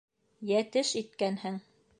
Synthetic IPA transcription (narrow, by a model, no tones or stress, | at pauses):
jæt̪ɘʃit̪̚kænhɘŋ